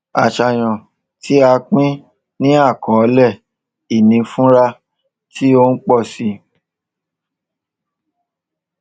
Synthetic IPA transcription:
a˨ʃa˨j̃ɔ̃˨ | tʰi˦a˧k͡pĩ˦ | nĩ˦a˦˨kɔ̃˨ɔ˧˦lɛ˦˨ | i˨nĩ˨˧fũ˦ɾa˧ | tʰi˦o˧n̩˦k͡pɔ˦˨si˨˧

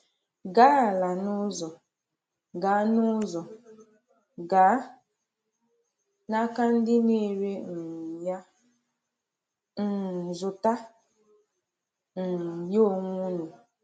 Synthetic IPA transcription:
ɡa˦˨la˨nʊ˦zɔ˨ | ɡa˨˦nʊ˦zɔ˨ | ɡaː˨˦ | na˦ka˦n̩˦dɪ˦ne˦ɾe˦n̩˨ja˦ | n̩˨zʊ˨ta˦ | n̩˨jo˦˨ŋ˦u˦nu˨

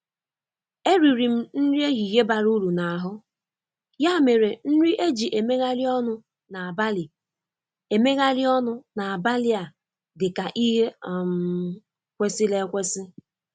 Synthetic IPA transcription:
e˦ɾi˨ɾi˨m̩˦n̩˦ɾi˦e˦ɦi˨ɦe˦ba˨ɾu˦ɾu˨na˨a˨ɦʊ˦ | ja˦me˨ɾe˨n̩˦ɾi˦ʔe˦d͡ʒi˨ʔe˨me˦ɣa˦lɪ˦ɔ˦nʊ˦ | na˨a˨ba˦li˨ | e˨me˦ɣa˦lɪ˦ɔ˦nʊ˦na˨a˨ba˦lɪ˦a˨ | dɪ˨ka˨ʔi˦ɦe˦˨m | kʷe˦sɪ˦le˦kʷe˦sɪ˦

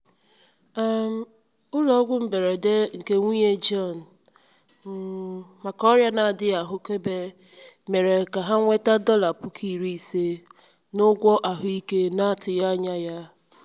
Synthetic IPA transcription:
a˨m̩˨ | ʊ˦lɔ˨˦ɡʷʊ˦m̩˦be˨ɾe˨de˦ŋ̩˨ke˦ŋʷi˦ɲe˦d͡ʒɔ˦˨n̩˨˦ | ma˨kɔ˦ɾja˦na˨a˨dɪ˦a˨ɦʊ˦ke˦be˦ | me˨ɾe˨ka˨ɦa˦ŋʷe˦ta˦dɔ˦la˨pʊ˦kʰi˦˨ɾi˦i˨se˦ | nʊ˦ɡʷɔ˦ʔa˨ɦʊ˦i˦ke˦na˦a˦tʊ˨ja˦ɲa˦ja˦

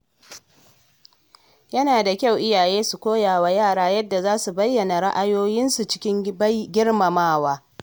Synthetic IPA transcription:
jɐ˦naː˨da˨kʲa˦˨wʔɪ˦jaː˨jeː˦su˨kʷoː˦jaː˨waː˦jaː˦˨ɽaː˦jɐ˦dːa˨zaː˦su˨bɐ˦jːɐ˨na˨ɽa˦ʔa˦joː˦jɪ˦nsu˨t͡ʃɪ̥˦kʲɪ˦ŋbɡʲɪ˦ɽma˨maː˦˨waː˦

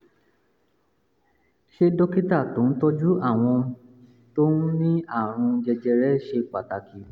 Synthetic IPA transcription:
ʃe˧dɔ˦ki˦ta˦˨to˨˦n̩˦tɔ˦d͡ʒu˦a˦˨w̃ɔ̃˧ | to˦n̩˦nĩ˦a˦˨ɾ̃ũ˧d͡ʒɛ˧d͡ʒɛ˧ɾɛ˦ʃe˧k͡pa˨ta˨ki˨˦

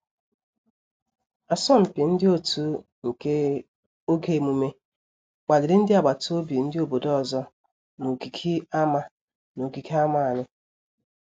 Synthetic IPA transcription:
a˨sɔ˦m̩˨pi˨n̩˦dɪ˦o˦tu˨ | ŋ̩˨ke˦ | o˦ɡe˦˨mu˨me˦ | k͡pa˨lɪ˨ɾɪ˦n̩˦dɪ˦a˨ɡ͡ba˨to˦bi˨n̩˦dɪ˦o˦˨bo˨dɔ˦ɔ˨zɔ˦ | no˨ɡi˨kʰi˦a˦ma˨ | no˨ɡi˨kʰi˦a˦ma˨a˨nɪ˦

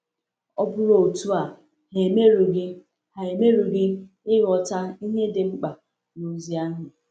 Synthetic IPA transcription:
ɔ˦bʊ˦ɾo˨o˨tu˦a˨ | ɦe˨me˦ɾu˨ɡɪ˦ | ha˨e˨me˦ɾu˨ɡɪ˦ | ɪ˦ɣɔ˨ta˦i˦ɦe˦dɪ˨ŋ͡m̩˦k͡pa˨ | no˨zi˨˦a˦ɦʊ˨

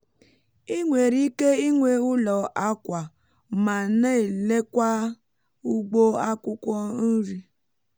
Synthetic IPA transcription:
i˦ŋʷe˨ɾi˦ke˦i˦ŋʷe˦ʊ˦lɔ˨a˦kʷa˨ | ma˨ne˦e˨le˦kʷa˦ | u˦ɡ͡bo˦a˦kʷʊ˦kʷɔ˦n̩˦ɾi˦

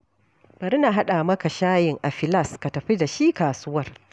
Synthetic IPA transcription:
bɐ˨ɾɪ˦naː˨ɦa˦ɗaː˨mɐ˦ka˨ʃaː˦jɪ˨ŋʔa˨ɸɪ˨lɐ˦˨ska˨tɐ˨ɸi˦da˨ʃi˦kaː˨sʊ˦wɐ˦r

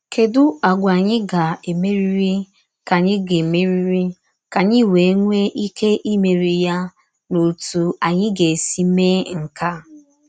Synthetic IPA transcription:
kʰe˨dʊ˦a˨ɡʷa˨ɲɪ˦ɡa˨e˨me˦ɾi˦ɾi˦ | ka˨ɲɪ˦ɡɪ˨me˦ɾi˦ɾi˦ | ka˨ɲɪ˦˨we˨˦ŋʷe˦ʔi˦kʰe˦ʔi˦me˨ɾi˨ja˦ | no˨tu˨a˨ɲɪ˦ɡe˨si˦me˦ŋ̩˨ka˦

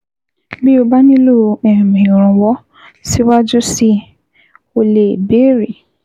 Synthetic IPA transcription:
bi˦o˧˦ba˦nĩ˦lo˦˨ɛ˨ɾmĩ˨ɾ̃ũ˨wɔ˨˦ | si˦wa˦d͡ʒu˦si˦ | o˧le˨be˨˦ɾi˨

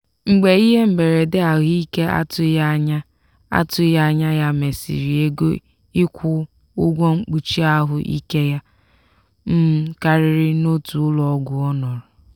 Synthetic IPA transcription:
ŋ͡m̩˨ɡ͡be˨i˦ɦe˦m̩˦be˨ɾe˨dɪ˦a˨ɦʊ˦i˦ke˦a̰˦tʊ˦ja˦ɲa˦ | a̰˦tʊ˦ja˦ɲa˦ja˦me˨sḭ˨ɾi˨e˦ɡo̰˦ | ɪ˦kʷʊ˦ | ʊ˦ɡʷo˦ŋ͡m̩˦k͡pu˦t͡ʃi˦a˦ɦʊ˨ʔḭ˦ke˦ja˦ | m̩˦ka˦ɾɪ˨ɾɪ˦no˦tu˨˦lɔ˦ɡʷʊ˨ɔ˦nɔ˨ɾʊ˨

